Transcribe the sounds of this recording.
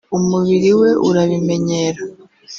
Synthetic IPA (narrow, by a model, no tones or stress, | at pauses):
umuβiɾiwe̞ʔṵɾaβime̞ɲeːɾa